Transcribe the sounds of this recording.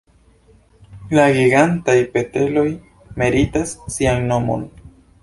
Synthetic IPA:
laɡiɡantajpe̞te̞lo̞j | me̞ɾitasːianːo̞mo̰n

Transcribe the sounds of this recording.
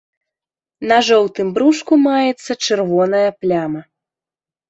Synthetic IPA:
nɐʐɔwt̪ɨmbɾuʂkumajɛt̪sːɐt͡ʂɨrvɔnɐjɐplʲamɐ

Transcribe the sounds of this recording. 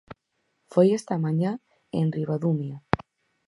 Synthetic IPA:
fojest̪amaɲa | ḛnriβaðumja

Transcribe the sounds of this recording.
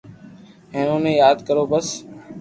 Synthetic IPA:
ẽːnõːnẽːjaːd̪kəɾoːbəs

